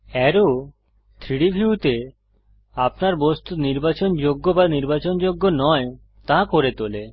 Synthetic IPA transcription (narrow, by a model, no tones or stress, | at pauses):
ɛɾo | t̪ʰɾiɽibʱiut̪e | apnaɾbost̪ut̪niɾbat͡ɕond͡ʑoɡːobaniɾbat͡ɕond͡ʑoɡːonɔe | t̪ãkoɾet̪ole